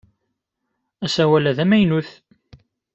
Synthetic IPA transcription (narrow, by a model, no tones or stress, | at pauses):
æsæwælæðæmæjnuθ